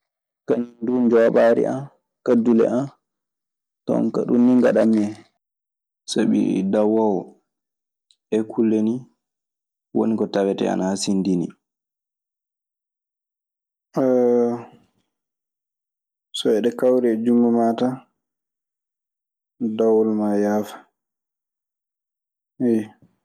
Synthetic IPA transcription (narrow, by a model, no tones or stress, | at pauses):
kaɲndumd͡ʒɔɓaɾḭʔa̰m | kadːulɛ̰ʔan | tɔ̰ŋka̰ɗṵnːiŋɡaɗamɛ | saɓḭɾḭdawawɔ | ʔɛkʰulːeni | wo̰nikɔtawɛtɛ̰a̰nahasindini | sɔɛɗɛkawɾɛːd͡ʒumːumata | dawɔlmajaːfḁ | ɛ